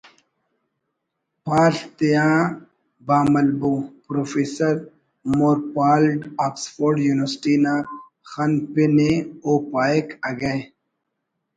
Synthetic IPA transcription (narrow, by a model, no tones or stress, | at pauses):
paːɬt̪ijãː | baːmɐlbũpɾoːfeːsɐɾ | moːɾpaːlɖaːksfoːɾɖjuːniʋəɾsʈina | xɐnpineoːpaːekɐɡɐj